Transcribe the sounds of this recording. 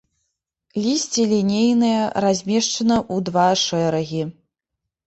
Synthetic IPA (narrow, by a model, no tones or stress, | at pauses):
lʲisʲt͡sʲilʲinʲejnɨjɐɾazʲmʲɛʂt͡ʂɐnɐʔud̪vaʂɛɾɐɣʲi